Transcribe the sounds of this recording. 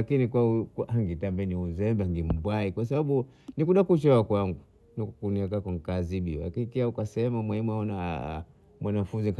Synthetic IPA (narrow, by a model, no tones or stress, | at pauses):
akinikwaukaaŋɡitambɛniuzɛmbaŋɡim̩bwaikwas̬aɓaɓu | nikuɗakut͡ʃɔakwaŋɡu | nikuniɛkakaŋkaziɓia̰kikiaukasɛmamwɛɲɛmwaɔna̰ | mwanafunziŋk